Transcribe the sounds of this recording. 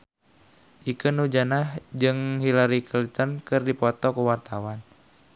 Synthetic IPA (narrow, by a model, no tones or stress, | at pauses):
ʔikənud͡ʒanahd͡ʒɨŋhilaɾikʰəlit̪ənkɨrdipɔt̪ɔkuwart̪awan